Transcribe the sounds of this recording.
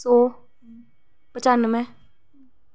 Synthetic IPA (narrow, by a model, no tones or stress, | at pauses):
so | pət͡ʃanɨmɛ̃